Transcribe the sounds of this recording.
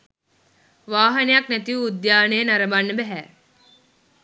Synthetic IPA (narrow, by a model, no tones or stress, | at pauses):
ʋaːɦɐnejaknæt̪iuːd̪jaːnejːnɐɾɐbanːəbæɦæː